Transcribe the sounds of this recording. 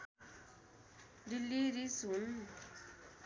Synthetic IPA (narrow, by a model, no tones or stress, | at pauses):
dilːiɾisɦun